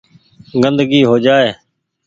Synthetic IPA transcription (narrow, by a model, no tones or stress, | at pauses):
ɡənd̪ɡiːɦoːd͡ʒaːeː